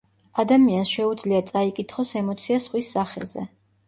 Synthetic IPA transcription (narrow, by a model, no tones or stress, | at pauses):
ad̪amiansʃɛud̪zliat̪sʼaikʼit̪ʰχɔsɛmɔt̪sʰiasχwisːaχɛ̰zɛ̰